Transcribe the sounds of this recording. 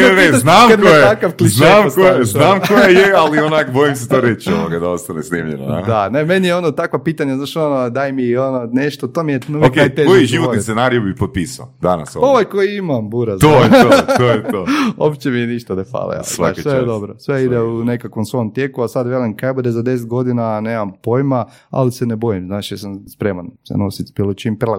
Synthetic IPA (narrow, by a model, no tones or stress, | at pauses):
eneznamad̪mijetakaʋklizznamkojezznaːmkojejealionakbojims̬et̪oɾet͡ɕio̰ʋoɡad̪aost̪anesniːmʎeno̰na̰d̪anemenijeo̞not̪akʋapit̪aɲaznaːʃonod̪ajmiononeʃt̪ot̪omijet̪nuokeekojiʒiʋot̪enaɾijubipot̪̚piːsaod̪ana̰sooʋajkoiimambuɾazt̪oot̪ojt̪oo̰pt͡ɕemijeniʃt̪anefa̰lḛja̰szʋaʃisʋejed̪obɾo̰sʋeid̪eunekakʋomsʋoomt̪je̞kuasad̪ʋelenkabud̪ezad̪e̞s̬et̪̚ɡo̞d̪inaneːmampo̞jma | a̰lisenebo̞jimznaːʃjasamspɾe̞ːmansḛnosit̪b̥ilˠot͡ʃimpɾlˠa